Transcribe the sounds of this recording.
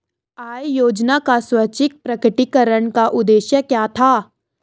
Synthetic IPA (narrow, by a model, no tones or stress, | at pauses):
aːjjoːd͡ʒnakaswɐt͡ʃɪk̚pɾɐkɪʈikəɾəɳkaʔʊd̪eːʃjəkjaːt̪ʰaː